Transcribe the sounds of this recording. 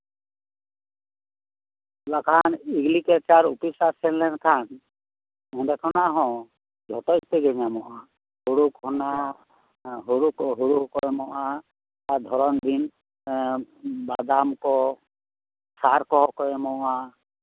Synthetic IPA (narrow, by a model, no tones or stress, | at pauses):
lakʰaniɡlikɛt͡ʃaɾupisasɛnlɛnkʰan | ɔ̃dɛkʰɔnaɦɔ̃ | d͡ʒʱɔtɔjt̪ɛɡɛɲamɔʔa | huɾukɦɔna | ɦuɾukɦuɾukɔjɛmɔʔa | ad̪ʱɔɾɔnd̪in | bad̪amkɔ | saɾkɔɦɔkɔɛmɔʔa